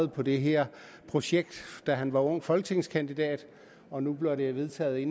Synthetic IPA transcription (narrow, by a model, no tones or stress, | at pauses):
ð̩ˠpʰɒ̽d̥e̝ɦeɐ̰ | pʰʁo̝ɕeɡ̥̚d̥d̥æɦænʋɑ̈ɔ̽ŋ̰fɒ̽lɡ̥ət͡sʰe̝ŋskʰænd̥id̥ɛ̰ːd̥ | ɒ̽nub̥le̝ɐɾeʋe̝ðˠt͡sʰɛ̰ːð̩ˠe̝n